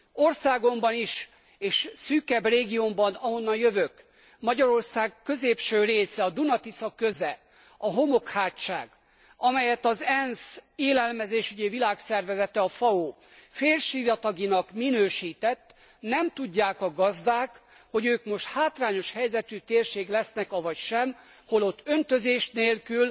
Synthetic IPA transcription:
o̞rsaːɡo̞mbɒniʃ | eːʃsyːkɛbreːɡijombɒnɒɦo̞nːɒjøvøk | mɒɟɒɾo̞rsaːɡkøzeːpʃøːreːsɛɒd̪unɒt̪isɒkø̞zɛ | ɒɦo̞mo̞khaːtːa̰ːɡ | ɒmɛjɛt̪ɒzɛnseːlɛlmɛzeːʃyɟɛvilaːksɛrvɛzɛt̪ɛɒfɒoː | feːrʃijɒt̪ɒɡinɒkminøːʃiːt̪ɛt̪ː | nɛmt̪uɟːaːkɒɡɒzd̪aːkho̞ɟøːkmo̞ʃt̪haːt̪raːɲo̞ʃhɛjzɛt̪yt̪eːrʃeːɡlɛsnɛkɒvɒcʃɛm | ho̞lo̞t̪ːø̞nt̪ø̞zeːʃneːlkyl

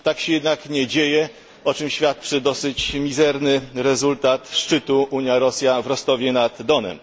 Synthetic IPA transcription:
t̪akɕɛjɛd̪nakɲɛd͡ʑejɛ | ɔt͡ʂɘmɕfʲjat̪̚t͡ʂɘd̪ɔsɘt͡ɕmʲizɛɾnɘɾɛzult̪at̪ʂt͡ʂɘt̪uʔuɲjaɾɔsʲjavɾɔst̪ɔvʲjɛnad̪ːɔnɛ̰m

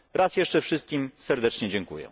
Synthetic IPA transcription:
ɾʔasjɛʂt͡ʂɛfʂɘst̪̚kʲimsɛɾd̪ɛt͡ʂɲɛd͡ʑɛŋkṵjɛ̰

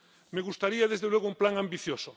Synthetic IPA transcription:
meɣust̪aɾiaðezðelweɣ̞oumplaŋambiθjoso

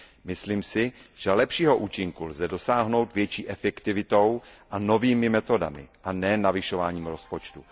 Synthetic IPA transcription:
mɪsliːmsɪʒ̥ɛlɛpʃiːɦo̞ʔuːt͡ʃɪŋkulzɛdo̞saːɦno̞wt̪vjɛt͡ʃiːʔɛfɛkt̪ɪvɪt̪o̞wʔano̞viːmɪmɛt̪o̞da̰mɪ̰ʔanɛːnavɪʃo̞vaːɲiːmɾo̞spot͡ʃt̪u

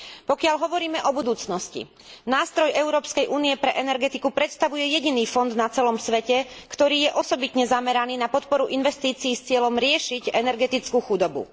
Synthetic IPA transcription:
pɔkɪaʎɦɔʋɔɾiːmɛʔɔbud̪uːt͡snɔscḭ | naːst̪ɾɔjɛʊɾɔːpskɛjʔuːnijɛpɾɛʔɛnɛɾɡɛt̪ikupɾɛt̪st̪aʋujɛjɛɟiniːfɔnd̪nat͡sɛlɔmsʋɛcɛkt̪ɔɾiːjɛʔɔsɔbit̪ɲɛzamɛɾaniːnapɔt̪pɔɾuʔinʋɛst̪iːt͡siːst͡sɪɛlɔmɾɪɛʃiɟɛnɛɾɡɛt̪it͡skuxud̪ɔbṵ

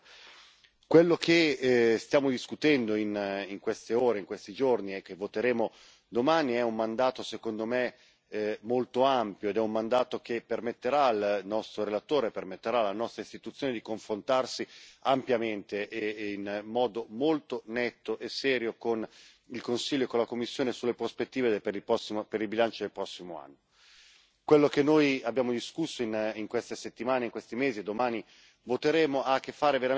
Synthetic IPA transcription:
kwelːokʰest̪jaːmod̪iskut̪ɛnd̪oiniŋkwest̪eoːɾeiŋkwest̪id͡ʒorniekːevːot̪eɾeːmo | d̪omaːniɛumːand̪aːt̪osekond̪ome | molt̪oampjoed̪ɛumːand̪aːt̪okepːermet̪ːeɾalnɔst̪ɾoɾelat̪oːɾepermet̪ːeɾalːanɔst̪ɾaist̪it̪ut̪sːjoːned̪ikoɱfɾont̪arsiampjament̪einmɔːd̪omolt̪onɛt̪ːoʔesɛːɾjokon | ilkonsiʎːoekːonlakomːisːjoːnesulːepɾospet̪ːiːvepeɾiɔsipeɾilbilant͡ʃod̪elpɾɔsːimoa̰nːo | kwelːokenːojabːjaːmod̪iskusːoiniŋkwest̪eset̪ːimaːneiŋkwest̪imeːzied̪ːomaːni | vot̪eɾeːmoʔakːefːaːɾeveɾa

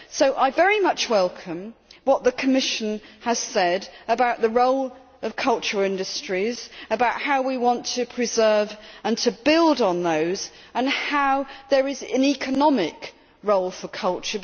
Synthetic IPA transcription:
soʊʔaɪvɛɹimʌt͡ʃwɛlˠkʰə̃mwʌʔ̪̚ðəkʰəmɪʃɨ̃nəz̥sɛdəbaʊʔ̪̚ðəɹoʊlˠ | ʌv̥kʰʌlˠt͡ʃə˞ɪ̃ndɨstɹ̥izəbaʊʔhaʊwiwɑ̃ntʰɨpʰɹ̥ɨzɜ˞və̃ntʰəbɪlˠdn̩ðoʊz | ə̃nhaʊðə˞ɪzɨ̃nikʰənɒmɪk | ɹoʊlˠfəkʰʌlˠt͡ʃə

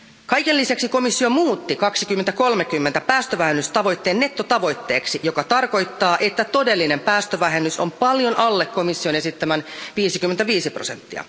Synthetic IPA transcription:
kɑjke̞lːisæksiko̞misːio̞muːt̪ːikɑksik̟ymːent̪æko̞lmekymːent̪æpæːst̪øʋæɦenːyst̪ɑʋo̞jt̪ːe̞ːnːe̞t̪ːot̪ɑʋo̞jt̪ːe̞ːksijo̞kɑt̪ɑrko̞jt̪ːɑːʔe̞t̪ːæt̪o̞de̞lːine̞mpæːst̪øʋæɦe̞nːyso̞mpɑljo̞nʔɑlːekkːo̞misːio̞ne̞sit̪ːæmænʋiːsikymːent̪æʋiːsipro̰se̞̰nt̪ːḭɑ̰

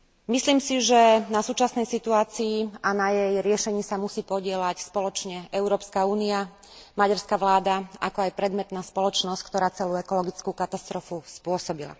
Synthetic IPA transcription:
misliːmsiʒɛnasuːt͡ʃasnɛjsit̪uaːt͡siːanajɛjɾɪɛʃɛɲiːsamusiːpɔɟɪɛlacspɔlɔt͡ʃɲɛʔɛʊɾɔːpskauːnia | maɟaɾskaʋlaːd̪aa̰kɔajpɾɛd̪mɛt̪naːspɔlɔt͡ʃnɔsc̚kt̪ɔɾaːt͡sɛluːɛkɔlɔɡit͡skukat̪ast̪ɾɔfuspʊɔsɔbila̰

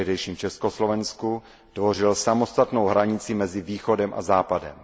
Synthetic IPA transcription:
ɦdɛjʃiːmt͡ʃɛskoslo̞vɛnsku | tvo̞r̝ɪlsamo̞st̪at̪nowɦɾaɲɪt͡sɪmɛzɪviːxo̞dɛmʔa̰zaːpadɛ̰m

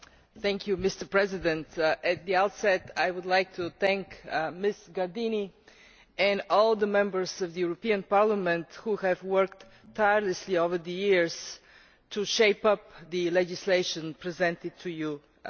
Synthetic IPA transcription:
θæ̃ŋkʰjumɪst̪ə˞pɹɛzɪd̪ɛ̃nt̪ʔɨt̪̚d̪iaʊt̪sɛt̪ajwʊd̪lajk̚t̪ʰuθæ̃ŋkmɪsɡadĩni | ɛ̃nɔlˠd̪əmɛ̃mbə˞zʌvðəjuɹɔpĩə̃npaɹlˠəmɛ̃nt̪huhɨvwɜ˞k̚tʰː | aɪəɹləsliovə˞ðəjiɹz̥ | tʰuʃeɪpʌp̚ðɨlɛd͡ʒɪsleɪʃə̃npɹizɛ̃ntɪd̪̚tʰuju

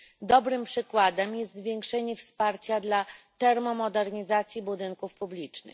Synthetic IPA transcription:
d̪ɔbɾɘmpʂɘkwad̪ɛmjɛst̪zvʲjɛŋkʂɛɲɛfspaɾt͡ɕad̪lat̪ɛɾmɔmɔd̪ɛɾɲizat̪sʲjibud̪ɘŋkufpublʲit͡ʂnɘ̰x

